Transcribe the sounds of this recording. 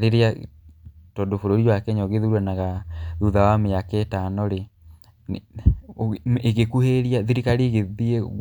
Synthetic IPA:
ɾeɾea | tondofoɾoɾiwakɛɲɔɣeðuɾwɛnaɣaðuðawameaketanoɾe | eɣekuheɾiaðiɾikaɾiːɣeðie

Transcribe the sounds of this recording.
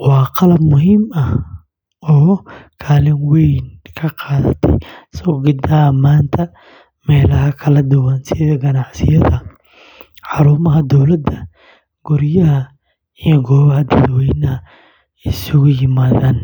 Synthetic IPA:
wɑːqɑlɐbmʊɦiːmɐh | ɔːkʰaːlɪnwɛjnkʰɐqɑːðɐ̰t̪ʰɛ̰jsɔːɡɪd̪ɐmaːnt̪ʰɐ | mɛːlɐɦɐkʰɐlɐd̪ʊwɐnsɪðɐɡɐnɑʕsɪjɐðɐ | ħɑɾuːmɐɦɐd̪ɔwlɐd̪ːɐ | ɡ̥ʊɾjɐɦɐ | ijɔɡɔːβɐɦɐd̪ɐd̪wɛjnɐhɐ | sʊɣʊjɪmaːðaːn

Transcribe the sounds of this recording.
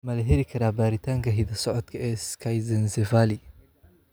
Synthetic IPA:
mɐlɐɦɛɾɪkʰɐɾaːbaːɾɪt̪ʰaːŋkʰɐɦɪðɐsɔʕɔd̪kʰɐɛːskʰɐjzɐnsɛvaːlɪ

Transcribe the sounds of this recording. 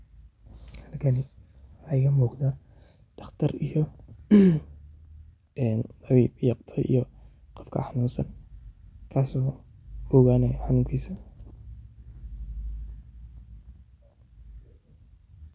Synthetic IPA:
hɐlkʰɐnɪ | ħɑjɣɐmuːqd̪a | ɖ̥ɑχt̪ʰɐrijɔ | ɛnd̪ɑβiːbjɑqt̪ʰɐʔḭjɔ | qɔfkʰɐ̰ħɑnuːnsɐn | kʰaːsɔːhɔɣaːnɛħɑnuːŋkʰiːsɐ

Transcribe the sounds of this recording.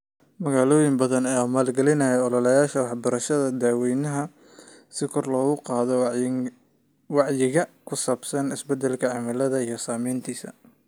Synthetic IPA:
mɐɣaːlɔːjɪŋbɐðɐnɐjaːmaːlɡɛlɪnɐjɛɔlɔlɐjaːʃɐwɑħbɐɾɐʃɐðɐd̪aːwɛjnɐɦɐ | sɪkʰɔrlɔːɣʊqɑːðɔ | wɑʕjɪɣɐkʰʊsaːbsɐnɪsbɛd̪ɛlkʰɐʕɑmɐlɐðɐijɞsaːmiːnt̪ʰiːsɐ̰

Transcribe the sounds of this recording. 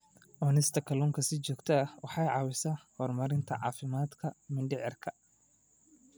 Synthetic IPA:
ʔɔːnɪst̪ʰɐkʰɐlɔŋkʰɐsɪt͡ʃɔːɡt̪ʰɐɐwɑħɑjʕɑːwɪsɐhɔːrmɐɾɪnt̪ʰɐʕɑ̰ːfɪmaːd̪kʰɐmɪnɖɪʕɪrkʰɐ

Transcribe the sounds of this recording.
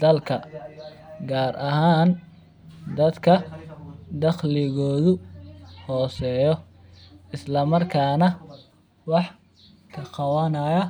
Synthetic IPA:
d̪̥ɐlkʰɐ | ɡaːɾʔɐɦaːn | d̪ɐd̪kʰɐ | d̪ɑχlɪɣɔːðʊhɔːsɛːjɔ | ɪslɐmɐrkʰaːnɐ | wɑħ | kʰɐqɑwɐnɐjɐ

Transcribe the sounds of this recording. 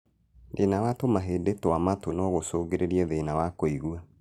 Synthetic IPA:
ðenawatomaɦeːdetoamatonɔɣosoːɣeɾeɾiɛðenawakoiɣua

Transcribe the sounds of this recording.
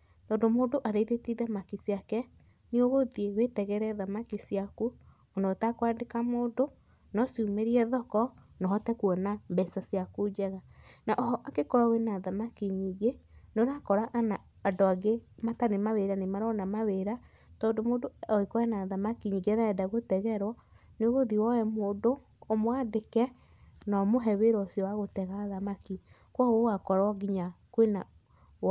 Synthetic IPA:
tɔːndomoːndoʔaɾeiðetiðamakisiakɛ | nioɣoðiewetɛɣɛɾɛðamakisiaku | onɔtakoaːndekamoːndo | nɔsumeɾiɛðɔkɔnɔɦɔtɛkuɔnambɛsasiakud͡ʑɛɣanaʔɔɦɔʔakekɔɾawenaðamakiɲiɡenoɾakɔɾaʔanaː | doaɡematanemaweɾanemaɾɔnamaweɾa | tɔːndomoːdoɔekɔɛnaðamakiɲiŋɡenaɛdaɣotɛɣɛɾwɔ | neoɣoðiwɔɛmoːndoː | mwadekɛ | nɔmoɦɛweɾwɔsiɔwaɣotɛɣaðamaki | kwɔɣowakɔɾɔɡiɲakwena

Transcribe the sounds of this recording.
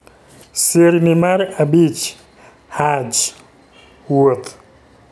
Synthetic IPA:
seɾnimaɾabit͡ʃ | had͡ʒ | wot̪ʰ

